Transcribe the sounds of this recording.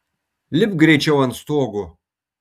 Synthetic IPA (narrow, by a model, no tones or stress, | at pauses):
lʲɪpɡɾʲɛt͡ʃʲɛwɐnst̪oɔɡʊ